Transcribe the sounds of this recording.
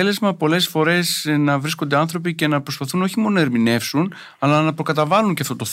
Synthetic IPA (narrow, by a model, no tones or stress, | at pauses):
ele̞zmɐpo̞le̞sfo̞ɾe̞snɐvɾisko̞nd̪e̞ɐnθɾo̞p̬ice̞nɐpɾo̞spɐθuno̞çimo̞nonɐeɾmine̞fsun | ɐlɐnɐpɾo̞kɐt̪ɐvɐluɲceɐft̪o̞t̪oθ